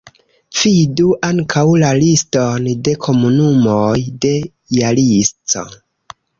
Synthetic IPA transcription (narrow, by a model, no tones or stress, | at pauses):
fiduʔaŋkʰawlalisto̞nde̞kʰo̞munumojde̞ | jalist͡so̞̰